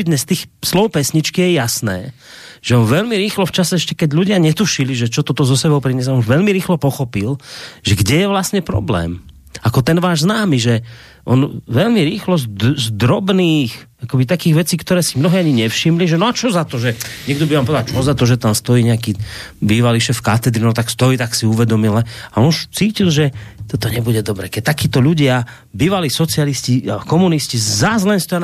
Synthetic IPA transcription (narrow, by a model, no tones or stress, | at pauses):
d̪ɲɛst̪iːxslɔwpɛsɲit͡ʃkijɛjasnɛ̰ː | ʒ̥ɛɔnʋɛʎmiɾiːxlɔft͡ʃasɛɛʃcɛkɛɟʎuɟɪaɲɛt̪uʃiliʒɛt͡ʃɔt̪ɔt̪ɔzɔsɛbɔʊpɾiɲɛs̬aɔnʋɛʎmiɾiːxlɔpɔxɔpilʒ̥ɛɡɟɛjɛʋlasɲɛpɾɔ̰blɛ̰ːm | akɔt̪ɛnʋaːʒznaːmiʒɛ | ʔɔnʋɛʎmiɾiːxlɔzzd̪ɾɔbniːx | akɔbit̪akiːɣʋɛt͡siːkt̪ɔɾɛːsimnɔɦiaɲiɲɛfʃimliʒɛnɔat͡ʃɔzat̪ɔʒɛɲɛɡ̚d̪ɔbiʋaːmpɔɛd̪alt͡ʃɔzat̪ɔʒɛt̪amst̪ɔiːɲɛaki | biːʋaliʃɛfkat̪ɛd̪ɾinɔt̪akst̪ɔiːt̪aksiuʋɛd̪ɔmilːɛaɔnʃt͡siːcilʒɛt̪ɔt̪ɔɲɛbuɟɛd̪ɔbɾɛkɛc̚t̪akiːt̪ɔʎuɟɪa | biːʋaliːsɔt͡sɪalisciakɔmuniscizazlɛnst̪ɔja